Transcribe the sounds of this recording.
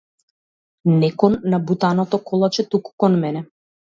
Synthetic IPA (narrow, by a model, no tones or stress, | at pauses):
nɛkɔnːabut̪anɔt̪ɔkʰɔlˠat͡ʃɛt̪ukkɔnmɛnɛ